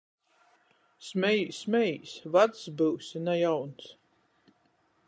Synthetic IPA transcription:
smʲɛjsmʲɛjsʲvad̪sbɨwsʲinajawns

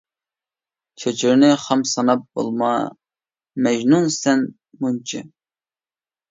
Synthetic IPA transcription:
t͡ʃʰet͡ʃʰiɾnɪχɑmsɑnɑp̚b̥o̰lˠmɑ̰ | mɛʒnunsɛn | munt͡ʃʰi

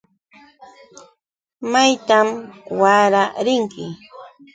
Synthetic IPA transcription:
majt̪amwaɾaɾɪŋkɪ

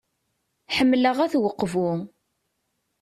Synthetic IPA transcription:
ħəmːləʁæθwəqːvʊ

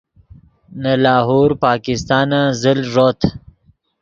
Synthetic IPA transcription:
nalɑːɦoːɾpɑːkɪst̪ɑːnazɪlʐoːt̪ʰ

